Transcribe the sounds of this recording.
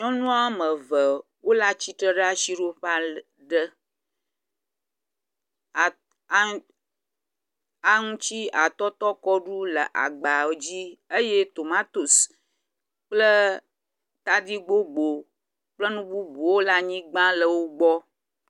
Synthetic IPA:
ɲɔ̃˦nũ˦a˦mə̃˨və˨ | wo˦la˦t͡ɕi˦t̪ɾə˦ɖə˦a˦˨ʃi˦ɖo˦ɸa˦ | ɖə˦˨˦ | a˦ŋũ˦t͡ɕi˦a˨t̪ɔ˦t̪ɔ˦kɔ˦ɖu˦lə˨ʔa̰˨ɡ͡ba˨˦d͡ʑi˦ə˦je˦t̪o˨mã˦t̪o˨s | k͡plə˦ | t̪a˦d̪i˦ɡ͡bo˦ɡ͡bo˨ | k͡plə˦nũ˦bu˦bu˨wo˦la˦ɲĩ˦ɡ͡bã˦lə˨wo˦ɡ͡bɔ˦

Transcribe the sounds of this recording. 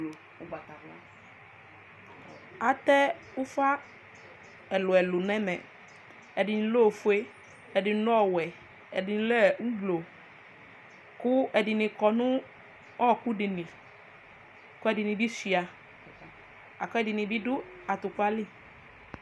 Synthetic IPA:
a˨t̪ɛ˦ | ʊ˦fa˦ | ɛ˨lʊ˨ɛ˨lʊ˨nɛ̃˦mɛ̰̃˨ | ɛ˨dɪ˨nĩ˨˧lo˦˨fu˨˦e˦ | ɛ˨dɪ˨˦nʊ˦ɔ˦˨wɛ˨ | ɛ˨dɪ˨n˨˦lɛ˦˨u˦blo˨ | kʊ˦ɛ˨dɪ˨nɪ̃˧kɔ˧nʊ̃˦ | ɔ˦˨kʊ˦di˨nĩ˨ | kʊ˦ɛ˦dɪ˨nĩ˧bi˦si˨a˨ | a˨kʊ˦ɛ˦dɪ˨nɪ̃˨bi˦dʊ˦ | a˨t̪ʊ˨ka˦li˦˨

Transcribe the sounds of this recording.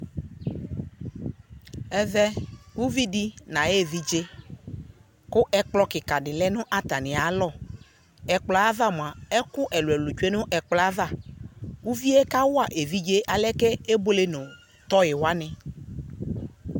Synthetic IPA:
ɛ˨vɛ˦wu˦vi˦di˦nã˨je˦˨vi˦d͡ʒe˦ | kʊ˦ʔɛ˦k͡plɔ˦kɪ˨ka˨dɪ˨lɛ˦nʊ̃˦ʔa˦t̪a˨nɪ̃˨a˨˦lɔ˦˨ | ɛ˨k͡plɔ˨˦a˦va˦˨m˨a˨ɛ˦kʊ˦ʔɛ˨lʊ˨ɛ˨lʊ˨t͡ʃu˦e˦nʊ̃˦ʔɛ˨k͡pla˦va˦˨wu˦vi˦ɛ˦ka˦wʊ˦a˦˨ʔe˨vi˦d͡ʒe˦ʔa˨lɛ˦kɛ˦e˦bo˦le˦nʊ̃˨ | t̪ɔ˦jɪ˨wa˦nɪ̃˨

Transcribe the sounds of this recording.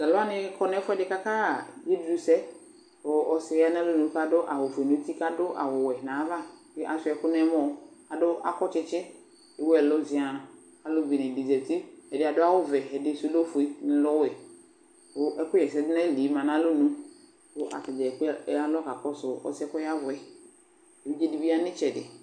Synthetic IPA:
la˨lʊ˦a˦nɪ̃˦kɔ˦nɛ̃˦fʊ˦ɛ˦ɖɪ˨ka˦ka˦˨je˦dɾu˦sɛ˦ | wo˦ʔɔ˦sja˦nã˦lo˦nũ˦ka˦dʊ˦ʔa˨wʊ˨fʊ˨e˨nũ˦t̪i˦ka˦dʊ˦ʔa̰˨wʊ˨wɛ˨nã˨˦va˦ke˦ʔa˨sʊ˦ɛ˨kʊ˦nɛ˦mɔ̃˦a˨dʊ˦ʔa̰˨kɔ˦t͡ʃɪ˦t͡ʃɪ˦ | e˨˦wo˦ɛ˨lo˦zi˨a˨ | a˨lʊ˦bi˨nɪ̃˨di˨zɛ˨ti˦ɛ˨dɪ˨a˨dʊ˦a˦wʊ˦vɛ˨ɛ˨dɪ˦su˦lo˦fʊ˨i˦nɪ˨lɔ˦wɛ˨ | ʊ˦ʔɛ˦kʊ˦jɛ˨sɛ˦dɪ˦nɛ˦˨li˨˦mã˨nã˦lʊ˦nũ˦ | ʊ˦ʔa̰˨tɪ˨d͡ʒɛ˨ɛ˨ka˦lɔ˦ka˨kɔ˦sʊ˨ɔ̰˦sɪ˦ɛ˦kɔ˦ja˦vʊ˨ɛ˨ | e˨wi˦d͡ʒe˦di˦bi˦a˦nɪ̃˦t͡ʃɛ˨dɪ˨

